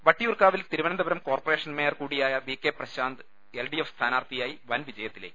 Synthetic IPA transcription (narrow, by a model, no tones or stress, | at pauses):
ʋɐʈːijurkaːʋilt̪iɾuʋɐnɐnd̪ɐbɐɾɐmko̞ːrpore̞ːʂɐnmejɐrkuːɽijaːjɐʋikːeːprɐɕaːnd̪ɨ | elɖiefst̪ʰaːnaːrt̪ijaːjiʋɐnʋid͡ʑɐjɐt̪ːileː